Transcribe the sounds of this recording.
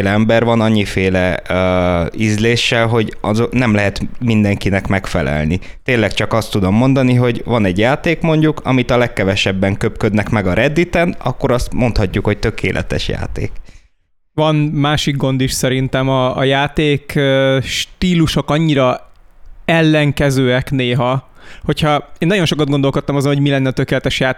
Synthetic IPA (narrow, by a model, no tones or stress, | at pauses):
lɛɛmbɛɾvɒnɒɲːifeːlɛ | izleːʃːɛlɦo̞ɟɒzonɛmlɛɦɛt̪mind̪ɛŋkinɛkmɛkfɛlɛ̰lnit̪eːnlːɛkt͡ʃɒkɒst̪ːud̪o̞mːo̞nd̪ɒniɦo̞ɟvɒnɛɟjaːt̪eːkmo̞ɲɟukʰɒmit̪ɒlɛkːɛvɛʃɛbːɛŋkøpkød̪nɛkmɛɡɒɾɛd̪ːit̪ɛnɒ̰kːo̞ɾɒst̪mo̞nt̪hɒcːukho̞c̚t̪ø̞kʰḛːlʔɛ̰t̪ɛ̰ʃja̰ːt̪ḛːk | vɒnmaːʃik̚ɡo̞nd̪iʃsɛɾint̪ɛmɒːjaːt̪eːkʃt̪iːluʃo̞kɒɲːiɾɒ | ɛlːɛŋkɛzøːɛkneːɦɒ | ho̞cʰhɒeːnːɒɟjo̞nʃo̞kɒd̪ɡo̞nd̪o̞lko̞t̪ːɒmɒzonɦomilɛnːɛɒt̪ø̞keːlɛt̪ɛʃjaː